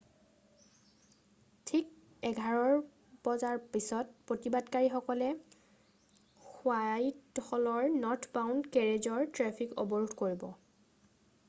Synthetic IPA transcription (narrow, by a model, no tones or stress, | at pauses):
tʰik̚ | ɛɡʱaɹɔɹ | b̥ɔzaɹpisɔt̚pɹotibadkaɹixɔkɔlɛ | xwajtxɔlɔɹnɔtʰbawndkɛɹezɔɹtɹɛpʰiko̰bɔɹudʱkoɹibɔ